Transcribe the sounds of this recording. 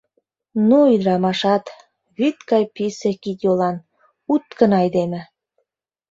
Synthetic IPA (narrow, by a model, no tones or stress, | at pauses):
nuyd̪ɾɑmɑʃɑt̪ | βit̪kɑjpisekit̪jolɑn | ut̪kənɑjd̪emĕ